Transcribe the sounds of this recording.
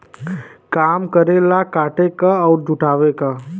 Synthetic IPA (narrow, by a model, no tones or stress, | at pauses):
kaːmkəɾelakaːʈekaɔːɾd͡ʒʱʊʈaːʋekaː